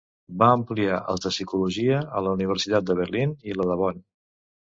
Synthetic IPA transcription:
baəmpliaʔə̰lˠzəsikuluʒiəələuniβ̞əɾsit̪at̪̚d̪əβərliniləðəβɔn

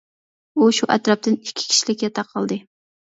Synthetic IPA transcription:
uʃuʔɛt̪ɾɑp̚t̪ɨnikʲʰːi̥kʲʰi̥ʃilɪkʲjɛt̪ʰɑqʰɑlˠd̪ɨ

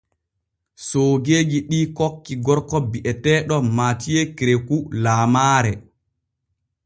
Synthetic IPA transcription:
soːɡeːɡiɗiːkɔkːiɡɔɾkɔbiʔɛtɛːɗɔmaːtijekɾekulaːmaːɾɛ

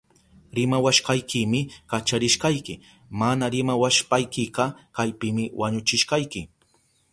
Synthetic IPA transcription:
ɾɪmawaʃqɑjkɪmɪkat͡ʃaɾɪʃqɑjkɪ | manaɾɪmawaʃpajkɪqɑkajpɪmɪwaɲʊt͡ʃɪʃqɑjkɪ

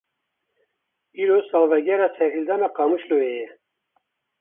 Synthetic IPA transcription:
iːɾoːsɑːlvɛɡɛɾɑːsʰɛɾhild̪ɑːnɑːqɑːmuʃloejɛ

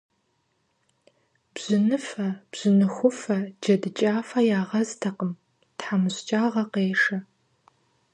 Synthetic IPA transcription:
b̥z̥ɪnɨfɐb̥z̥ɪnɨxʷʊfɐd͡ʒɐdɨt͡ʃʼaːfɐjaːʁɐztʰɐqəm | tħamɨɕt͡ʃʼaːʁɐqeːʂɐ

